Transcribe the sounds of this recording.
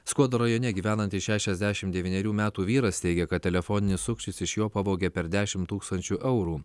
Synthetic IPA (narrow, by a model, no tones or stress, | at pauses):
skuɔd̪oɾɐjoːnʲɛɡʲiːʋʲæːnɐnt̪ʲɪʃʲæːʃʲɛzʲd̪ʲæːʃʲɪmtd̪ʲɛʋʲiːnʲɛɾʲuːmʲæːt̪uːʋʲiːɾɐst̪ʲɛɪɡʲɛkɐt̪tʲɛlʲɛfoːnʲɪnʲɪssʊkʃʲt͡ʃʲɪsɪʃjoːpɑʋoːɡʲɛpʲɛɾd̪ʲæːʃʲɪmt̪uːkst̪ɐnʲt͡ʃʲuːʔɛʊɾuː